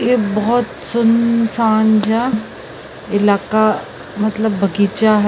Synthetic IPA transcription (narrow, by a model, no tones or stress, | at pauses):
jebɐɦɔt̪sʊnsaːnd͡ʒa | ɪlaːka | mɐt̪ləbːʱɐɡiːt͡ʃaɦ